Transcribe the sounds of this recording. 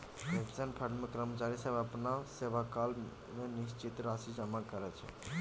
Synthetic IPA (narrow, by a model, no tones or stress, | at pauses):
bekt͡ʃənpʰəɖmekɾəmət͡ʃaɾisəbəpnaseʋakal | menist͡ʃit̪ɾasid͡ʒəmakəɾɛt͡ʃʰɛ̰